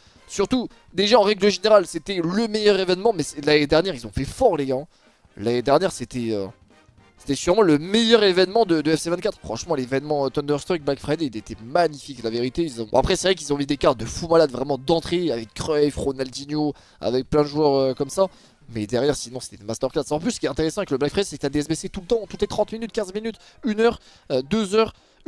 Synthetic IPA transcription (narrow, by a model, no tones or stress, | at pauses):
syʁt̪u | d̪eʒaɑ̃ʁɛɡləʒeneʁalset̪ɛləmɛjœʁevɛnmɑ̃mɛsɛlaned̪ɛʁnjɛʁilzɔ̃fɛfɔʁleɡaɛ̃ | laned̪ɛʁnjɛʁset̪ɛø̰ | se̥t̪ɛsyʁmɑ̃ləmɛjœʁevɛnmɑ̃d̪əd̪əɛfsevɛ̃t̪kat̪χfχɑ̃ʃmɑ̃levɛnmɑ̃øt̪ɔ̃nd̪œʁst̪χik̚blakfχajd̪ilet̪ɛmaɲifiklaveʁit̪eilzɔ̰̃a̰pχɛsɛvʁɛk̬ilzɔ̃mid̪ekaʁt̪̚d̪əfumalad̪vʁɛmɑ̃d̪ɑ̃t̪χeavɛkːχœjfʁonald̪injo | a̰vɛk̚plɛ̃d̪əʒuœʁøkɔmsa | mɛd̪ɛʁjɛʁsinɔ̃se̥t̪ɛd̪mast̪œʁkat̪sɑ̃plysə̥kʲiɛt̪ɛ̃t̪eʁesɑ̃ɛkələblakfχajd̪sɛkət̪ad̪eɛsbeset̪ulət̪ɑ̃t̪u̥t̪let̪χɑ̃t̪minyt̪̚kʲɛ̃zminyt̪ynœʁ | d̪øzœʁ